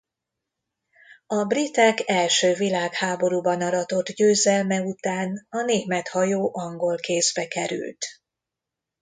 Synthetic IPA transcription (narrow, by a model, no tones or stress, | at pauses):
ɒbrit̪ɛkɛlʃøːvilaːkhaːbo̞ɾubɒnɒɾɒt̪o̞d̪ɟøːzɛlmɛut̪aːnɒneːvmɛt̪hɒjoːʔɒŋɡo̞lkeːzbɛkɛɾy̰lt̪